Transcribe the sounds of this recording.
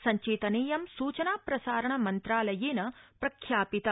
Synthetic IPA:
sɐɲt͡ʃiːt̪ɐniːjɐmsuːt͡ʃɐnaːpɾɐsaːɾɐɳɐmɐnt̪ɾaːlɐjeːnɐpɾɐkʰjaːpit̪ɐ

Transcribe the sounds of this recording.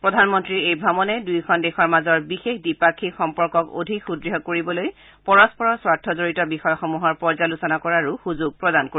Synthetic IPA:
pɹɔdʱanmɔntɹiɹejbʱɹamɔnɛdujkʰɔndɛxɔɹmazɔɹbixexdipakʰixɔmpɔɹkɔko̰dʱikxudɹiɦɔkoɹibɔloj | pɔɹɔspɔɹɔswatʰːɔzoɹitɔbixɔjɔxɔmuɦɔɹpɔɹzalusɔnakɔɹaɹuxuzuɡ̚pɹɔdanko

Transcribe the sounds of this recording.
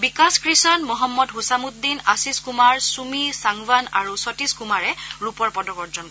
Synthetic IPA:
bikaskɹisɔnmɔɦɔmːɔdɦusamut̪̚d̪inasiskumaɹsumisaŋbanaɹusɔtiskumaɹɛɹupɔɹpɔdɔkɔɹd͡ʒɔn

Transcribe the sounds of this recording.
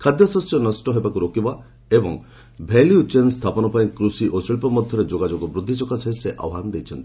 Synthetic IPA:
kʰad̪jɔsɔsjɔnɔsʈɔɦebakuɾokiba | ebɔŋ | bʱeljut͡ʃenst̪ʰapɔnɔpaĩkɾusiʔosilpɔmɔd̪ʱjɔɾed͡ʒoɡad͡ʒɔɡɔbɾud̪ʱːisɔkasɔɦeseʔɔ̰wɦanɔd̪ejt͡ʃʰɔnt̪ii̥

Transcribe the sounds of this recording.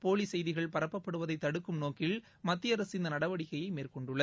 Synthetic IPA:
poːlisɛjðɪɣɐɭpɐɾɐpːɐpːɐɽɯʋɐðɐɪt̪ːɐɽɯkːɯmnoːkɪl | mɐt̪ːɪjɐɾɐsɪnd̪ɐnɐɽɐʋɐɽɪɣɐjɐɪmeːrkɔɳɖɯɭːɐ

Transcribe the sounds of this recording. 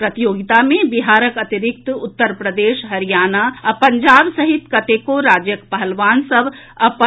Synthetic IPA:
pɾɐt̪ijoːɡit̪amẽbiɦaːɾəkɐt̪iɾɪk̚t̪ʊt̪ːəɾpɾəd̪eːʃɦɐɾijaːnaɐpɐɲd͡ʒaːbsɐɦɪt̪kɐt̪eːkoɾaːd͡ʒjəkpɐɦəlʋaːnsɐb | ɐp

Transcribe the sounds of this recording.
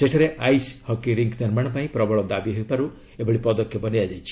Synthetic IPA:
seʈʰaɾeʔajshɔkiɾiŋkniɾmaɽ̃ɔpaĩpɾɔbɔɭɔd̪abiɦojpaɾu | ebɔɽipɔd̪ɔkʰjɔbɔnijad͡ʒajt͡ʃʰi̥

